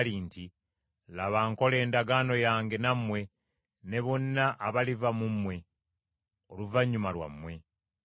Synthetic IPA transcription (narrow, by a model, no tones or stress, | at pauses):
linti | laβaŋko̞le̞ːndaɡaːno̞jaːŋɡe̞namwe̞ | ne̞βonːaʔːβalivamumːwe̞ | oluvaɲːumalwa̰mːwe̞